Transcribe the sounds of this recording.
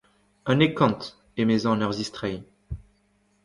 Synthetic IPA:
anekɔ̃nt̪ | emezɑ̃nœʁzist̪χɛj

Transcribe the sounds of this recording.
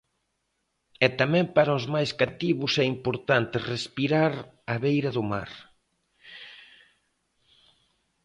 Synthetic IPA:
ɛt̪amɛ̃mpaɾaozmajskat̪iβʊsɛimpoɾt̪ant̪ɪrespiɾaɾ | ɐβejɾɐðʊma̰ɾ

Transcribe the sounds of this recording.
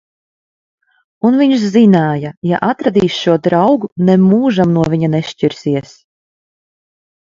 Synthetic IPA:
unviɲʃzinaːjaja̰ʔat̪ɾad̪iːsʃuɔd̪ɾawɡunɛmuːʒamnuɔvʲiɲaneʃt͡ʃiɾsiɛs

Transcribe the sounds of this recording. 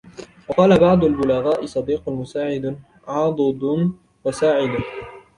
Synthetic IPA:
wɑqɑːlabɑʕd̪ˤʊlbʊlaɣaːʔɪsˤɑd̪iːqʊlmʊsaːʕɪd̪ | ʕɑːd̪ˤɨd̪ˤn | wasaːʕɪd̪

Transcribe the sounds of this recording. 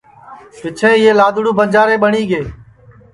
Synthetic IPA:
ʋɪt͡ʃʰẽːɪːeːlaːd̪ʊɽũːbʱənd͡ʒaːɾeːɓəɳiːɡeː

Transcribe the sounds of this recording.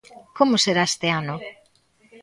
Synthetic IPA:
komoseɾaest̪eano

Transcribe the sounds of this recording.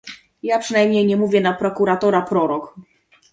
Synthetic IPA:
japʂɨnajmɲejɲɛmuvʲjɛnapɾɔkuɾat̪ɔɾapɾɔɾɔk

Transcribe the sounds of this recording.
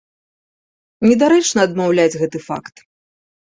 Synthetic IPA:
nʲɛd̪aɾɛt͡ʂnɐːd̪mawlʲad͡zʲɣɛt̪ɨfa̰kt̪

